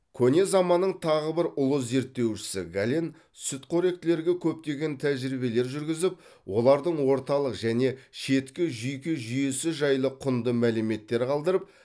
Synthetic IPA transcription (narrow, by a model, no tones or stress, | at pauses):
kʲʰɵne̞zɑmɑnːəɴt̪ʰɑʁəbɪɾʊlˠəze̞ɾt̪ːe̞wʃɪ̥sɪ̰ɡalʲen | sʏt̪qʰoɾe̞k̚t̪ɪle̞ɾɡʲe̞kʲʰɵp̚t̪e̞ɡʲe̞nt̪ʰæʒɾibe̞le̞ɾʒʏɾɡʲɪzɪp̚ | wo̞lˠɑɾd̪əɴwo̞ɾt̪ɑlˠəqʒæne̞ʃe̞t̪kʲɪʒʏjkʲɪʒʏjesɪʒɑjlˠəqʰʊnd̪əmælɪme̞t̪ːe̞ɾɪqʰɑlˠd̪əɾəp̚